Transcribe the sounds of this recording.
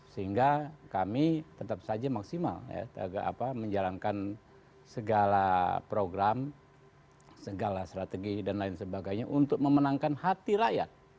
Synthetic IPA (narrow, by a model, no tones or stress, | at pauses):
səhiŋɡakamit̪ət̪ap̚sad͡ʒamaksima̰lja̰t̪əaɡaa̰paməɲd͡ʒalaŋkan | səɡalapɾoɡɾam | səɡalast̪ɾat̪eɡidanlaɪnsəbaɡajɲaʔunt̪ʊk̚məmənaŋkanhat̪iɾaja̰t̪̚